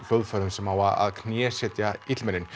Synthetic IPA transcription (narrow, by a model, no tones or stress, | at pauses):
fœwðfœɾʏmsɛmawaa̰ðkʰnjɛːsɛt̪jait̪lmɛnɪn